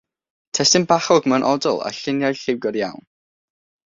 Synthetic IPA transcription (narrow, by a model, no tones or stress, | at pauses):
tʰɛstɪnbaχɔɡmɛwnʔɔdɔ̰lˠa̰ɬɪnjajɬɪwɡɔɾjawn